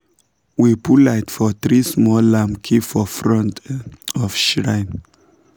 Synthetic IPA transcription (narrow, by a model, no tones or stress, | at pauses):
wipulatfɔθɹismɔlãmkʰifɔfɹɔ̃ntɔfʃɹãɪn